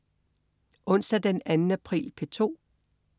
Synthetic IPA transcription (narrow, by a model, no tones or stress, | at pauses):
ʔɔ̽n̰sd̥æd̥enænn̩æpʰʁḭːlpʰe̝t͡sʰo̝̰ː